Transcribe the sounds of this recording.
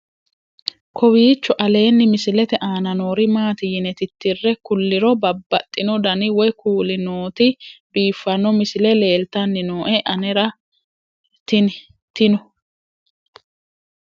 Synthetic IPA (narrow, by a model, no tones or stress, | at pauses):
kʰɔwiːt͡ʃːɔʔɐle̞ːnːɪmɪsɪlɛt̪ɛʔaːnɐno̞ːɾɪmaːt̪ɪjɪnɛt̪ɪt̪ːɪrːɛkʊlːɪɾɔbɐbːɐt̪ʼːɪnɔd̪ɐnɪwɔjkuːlɪnoːt̪ɪbiːfːɐnɔmɪsɪlɛle̞ːlt̪ɐnːɪnoːʔɛʔɐnɛɾɐ | t̪ɪ | t̪ɪnɔ